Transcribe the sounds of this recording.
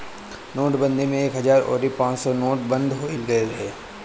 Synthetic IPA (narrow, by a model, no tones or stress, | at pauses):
noːʈbə̃nd̪ʱimẽeːkɦɐzaːɾɔ̰ːɾipãːt͡ʃsɔnoːʈ̚bə̃nd̪ʱɦoɪlɡɐeɾɐɦeː